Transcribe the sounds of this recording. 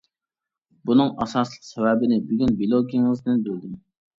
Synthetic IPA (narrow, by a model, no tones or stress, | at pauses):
bunɨŋʔɑsɑslˠəqsɛvɛbɪnɪbyɡʲynbilˠoɡʲiŋɨzd̪ɪnbøld̪ɪ